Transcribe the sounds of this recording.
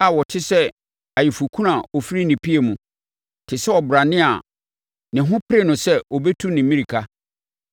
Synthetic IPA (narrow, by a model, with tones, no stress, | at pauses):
a˨wɔ˨tʰɪ˦sɛ˦ | a˨jɪ˨fu˨kʰũ˦ɾã˨ɔ˨fi˦ɾi˦nĩ˨pʰi˦e˨mũ˨ | tʰɪ˨sɛ˦ɔ˨bʊ˨ɾa˨nɪ̃˦a̰˨ | nɪ̃˨ɦʊ̃˦pʰɾe˦˨nʊ̃˨sɛ˦ɔ˨bɛ˦tʰu˦nɪ̃˨mĩ˦ɾi˨kʰa˦